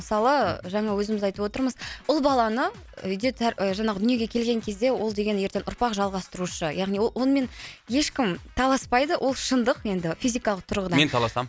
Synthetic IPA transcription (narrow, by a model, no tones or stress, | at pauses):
məsɑlˠəʒɑɴɑwɵzɪmɪzɑjt̪əpwo̞t̪əɾməzʊlˠbɑlˠɑnə | ʏjd̪e̞t̪ʰæɾʒɑɴɑʁəd̪ʏnije̞ɡʲe̞kʲʰe̞lɡʲe̞ŋkʲʰe̞zd̪e̞wo̞lˠd̪e̞ɡʲe̞njeɾt̪e̞nʔʊɾpɑqʒɑlˠʁɑst̪əɾuʃəjɑʁnijwowonəme̞nje̞ʃkʲɪmt̪ʰɑlˠɑspɑjd̪əwʔo̞lˠʃənd̪əqje̞nd̪ɪfʲizijkɑlˠəq̚t̪ʰʊɾʁəd̪ɑment̪ʰɑlˠɑsɑm